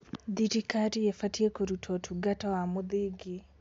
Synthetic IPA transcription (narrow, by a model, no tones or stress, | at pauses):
ðitikatijefatiekoɾutʰotʰuɡatawamuðiɡi